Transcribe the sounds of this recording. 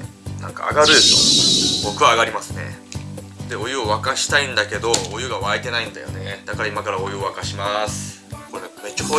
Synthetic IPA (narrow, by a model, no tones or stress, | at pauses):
nã̰ŋka̰a̰ɡaɾɯ̟ɕobo̞kɯ̟βaːɡaɾʲimasɨne̞̰ | d̪̥e̞o̞jɯ̟oβakaɕi̥t̪aĩnd̪ake̞d̪o̞ːjɯ̟ɡaβaet̪e̞naĩnd̪a̰jo̞ne̞d̪̥akaɾaimakaɾao̞jɯ̟oβakaɕimasɨ̥ | ko̞ɾemet͡ɕo